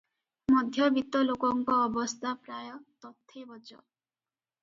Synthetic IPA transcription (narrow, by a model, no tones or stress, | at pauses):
mɔd̪ʱjɔbit̪ɔlokɔŋkɔːbɔst̪ʰapɾajɔt̪ɔt̪ʰːebɔd͡ʒɔ